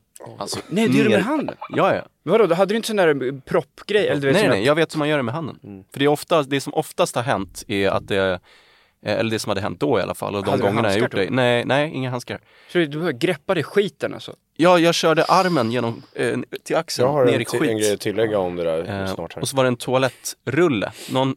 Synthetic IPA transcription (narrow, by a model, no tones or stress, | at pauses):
alsɔnɛd̪jɛdɛɦand̪ə̰njɑːj̰ | vad̪ɔd̪ɦad̪ːəd̪ɵʏɪnt̪əsɔnd̪æɾpʰɾɔpːɡ̥ɾɛjːɛlːəd̪eːnɛnɛɪjɑːɡveːt̪hʉmːanjœːɖɛmɛɦand̪ə̰nfœɖɛɾɔft̪ad̪ɛsɔmʔɔft̪ast̪haɾɦɛnt̪ɛa̰t̪̚d̪ɛ | ɛ̰lːəɖɛsɔmhad̪ːəɛ̰nt̪̚d̪ɔɪa̰lʔa̰fa̰lːɔd̪ɔmɡɔŋːənajajʊʈd̪ɛnɛɪnɛɪʔɪ̰ŋːaɦanska | sɔd̪d̪ɵbɛhœvɡɾɛpːad̪ɛɧiːt̪əna̰lsɔ̰ | jɑːjɑːɡɕœːɖəʔaɾmənjeːnɔmt̪ʰɪlaksəeːɾɪɧiːnɡɾɛjɔt̪ʰːɪlːɛɡːaɔmd̪ɛd̪æ̰ɾːɔsɔvaɖɛɛnt̪ʰʊalɛt̪ːɾɵlːə̰nɔn